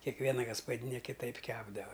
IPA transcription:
kʲɛkˈʋʲiɛnɐ ɡɐspɐˈdʲiːnʲɛ kʲɪˈtɐɪp ˈkʲæːbdɐʋɐ

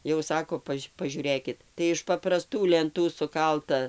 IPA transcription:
jɛʊ ˈsɑːkoː ˈpɐʃʲ pɐˈʒʲuːrʲeːkʲɪt tɐɪ ɪʃ pɐprɐˈstuː lʲɛnˈtuː sʊˈkɐlˠtɐ

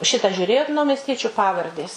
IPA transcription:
ˈʃʲɪtɑː ʒʲuːˈrʲeːjoːt nɐʊmʲɛsʲˈtʲiɛt͡ʃʲʊ ˈpɑːʋɐrʲdʲeːs

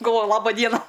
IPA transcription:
ɡɐlˠˈʋoːjʊ ˈlˠɑːbɐ ˈdʲiɛnɐ

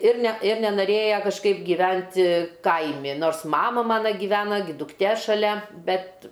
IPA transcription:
ɪr nʲɛ ɪr nʲɛnɐˈrʲeːjɛ kɐʃˈkɐɪp ɡʲiːˈʋʲɛnʲtʲɪ ˈkɐɪmʲɪ ˈnoːrs ˈmɑːmɐ ˈmɑːnɐ ɡʲɪˈʋʲæːnɐ ɡʲɪ dʊkˈtʲeː ʃɐˈlʲɛ ˈbʲɛt

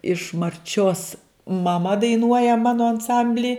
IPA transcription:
ɪʃ mɐrʲˈt͡ʃʲoːs mɐˈmɐ dɐɪˈnuɔjɛ ˈmɑːnoː ɐnˈsɐmʲbʲlʲiː

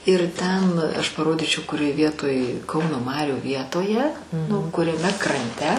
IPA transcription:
ɪr ˈtʲɛn ˈɐʃ pɐˈroːdʲiːt͡ʃʲɛʊ kʊˈrʲoːj ˈʋʲiɛtoːj ˈkɐʊnoː ˈmɑːrʲuː ˈʋʲiɛtoːjɛ nʊ kʊrʲɛˈmʲɛ krɐnʲˈtʲɛ

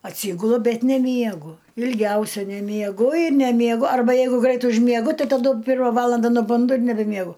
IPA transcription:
ɐtʲˈsʲiːɡʊlˠʊ ˈbʲɛt nʲɛˈmʲiɛɡʊ ɪlʲˈɡʲɛʊsʲɛ nʲɛmʲiɛˈɡʊ ɪr nʲɛmʲiɛˈɡʊ ɐrˈbɐ ˈjɛɪɡʊ ˈɡrɐɪt ʊʒʲmʲiɛˈɡʊ ˈtɐɪ tɐˈdʊ ˈpʲɪrmɐ ˈʋɑːlˠɐndɐ nʊˈbʊndʊ ɪr nʲɛbʲɛmʲiɛˈɡʊ

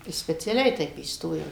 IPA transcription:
sʲpʲɛt͡sʲɛˈlʲɛɪ ˈtʲɛɪp iːsˈtoːjɛʊ

